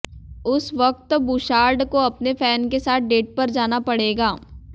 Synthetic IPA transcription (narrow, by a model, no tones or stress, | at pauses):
ʊsʋɐk̚t̪buːʃaːɾɖkoɐpnefɛːnkesaːt̪̚ʰɖeːʈ̚pɐɾd͡ʒaːnapɐɽeːɡaː